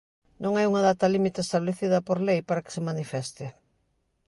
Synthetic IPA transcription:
nõŋajuŋaðat̪ɐlimit̪eːst̪aβleθiðɐpoɾlejpaɾɐkɪ̥sɪmanifɛst̪ɪ

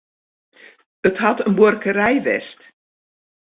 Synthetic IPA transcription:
ətɦɑtənborkərɛjʋɛ̰st

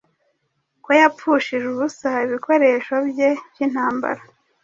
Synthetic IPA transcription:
kojap͡fuʃiʒuβusaiβikʰo̞ɾe̞ːʃo̞bje̞bjin̥haːmba̰ɾa

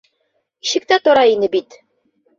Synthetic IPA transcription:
iɕɘ̆k̚t̪æt̪ŏɾɑinɘbit̪

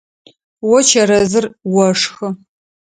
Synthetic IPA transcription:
wɔt͡ʃʰɐɾɐzɨrwɔʂxɨ

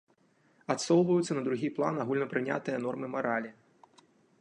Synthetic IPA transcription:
at̪sɔlˠvɐjut̪sːɐnɐd̪ɾuɣʲiplˠa̰naɣulʲnɐpɾɨnʲa̰t̪ɨjɐnɔrmɨmaɾalʲi

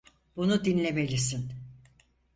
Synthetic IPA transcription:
bunud̪inlʲeme̞lʲisin

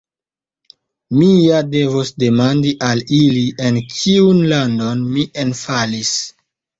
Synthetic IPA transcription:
mijade̞vosde̞mandiʔaliliʔe̞nkʰiunlando̞nmie̞nfalis

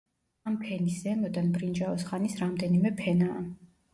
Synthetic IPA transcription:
ampʰɛniszɛmɔd̪anbɾind͡ʒaɔsχanisɾamd̪ɛnimɛpʰɛnaː

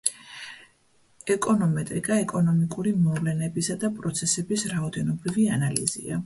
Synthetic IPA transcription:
ɛkʼɔnɔmɛt̪ʼɾikʼaɛkʼɔnɔmikʼuɾimɔvlɛnɛbisad̪apʼɾɔt̪sʰɛsɛbisɾaɔd̪ɛnɔbɾivianalḭzḭa

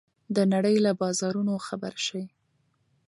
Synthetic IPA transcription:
d̪ənaɽəjlabɑzɑɾunoxaba̰ɾʃawi

